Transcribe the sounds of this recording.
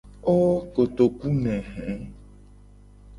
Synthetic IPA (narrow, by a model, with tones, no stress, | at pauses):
o˦ko˨t̪o˨ku˦nɛ̃˨ɦɛ̃˨˦